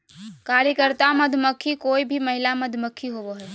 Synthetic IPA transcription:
kaːɾjəkəɾt̪amɐd̪ʱməkʰːikoːibʱimɐɦɪlamɐd̪ʱməkʰːiɦoboɦɛː

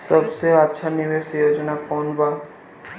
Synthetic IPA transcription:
sɐbseətːʃʰanɪʋeːsjoːd͡ʒnakɔːnbaː

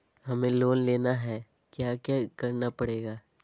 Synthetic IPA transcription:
hɐmẽloːnleːnaɦɛː | kjaːkjakɐɾnapɐɽeːɡaː

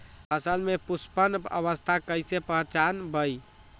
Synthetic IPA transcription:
ɦəsəlmepuspənə̰βəst̪ʰakəjsepəɦt͡ʃanbəj

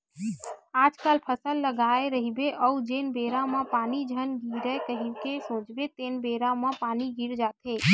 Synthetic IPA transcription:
aːd͡ʒkalpʰəsəlːəɡaːeɾəɦibeʔəud͡ʒeːnbeːɾãmãpaːnid͡ʒʱənɡʱiɾəkəɦikesõːt͡ʃbet̪eːnbeɾamãpaːniɡiɾd͡ʒaːt̪ʰe

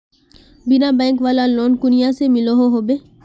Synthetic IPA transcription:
bɪnãːbɛ̃ːŋkʋaːlaloːnkʊnɪjãsemɪloɦoɦoːbeː

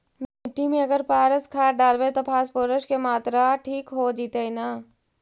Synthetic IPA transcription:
meʈːimẽɐɡəɾpaːɾəskʰaːɖaːlbet̪opʰaːspoːɾəʃkemaːt̪ɾaʈʰiːkɦoːd͡ʒiːt̪einaː

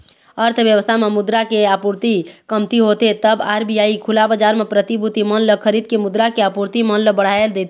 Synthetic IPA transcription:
əɾt̪ʰəʋjəʋəst̪ʰamemʊd̪ɾakeapuɾt̪ikəmt̪iɦot̪et̪əbaːɾbijaikʰulabəd͡ʒaɾmepɾət̪ibʱut̪imənləkʰəɾiːd̪̚kemʊd̪ɾakeapuɾt̪imənləbəɽ̤aeld̪et̪ʰ

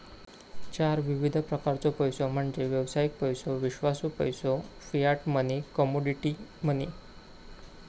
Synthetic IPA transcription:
t͡ɕaɾʋiʋid̪ʱpɾəkaɾt͡sɔpəjsom̤əɳd͡zeʋjəʋsajik̚pəjsoʋiɕʋasupəjsofijaʈmənekɔmoɖiʈiməne

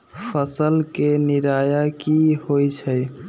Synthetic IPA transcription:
pʰəsəlkeniɾajakihojt͡ʃʰəj

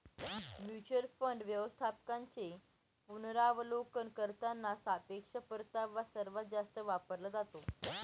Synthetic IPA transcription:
mjut͡ɕəlfəɳɖʋjəʋəst̪ʰapkãɲt͡se | punɾaʋlokənkəɾt̪anːasapekʂəpəɾt̪aʋasəɾʋət̪̚d͡zast̪əʋapəɾləd͡zat̪o

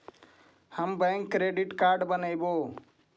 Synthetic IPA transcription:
həmbə̃ŋkːɾeɖiʈkaɾɖbənəjbo

